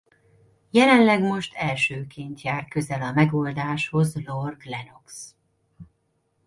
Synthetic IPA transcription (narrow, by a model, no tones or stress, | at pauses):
jɛlɛnlɛɡmo̞ʃt̪ʰɛlʃøːkʰent̪jaːr̚kø̞zɛlɒmɛɡo̞ld̪aːʃho̞zlorɡlɛno̞ks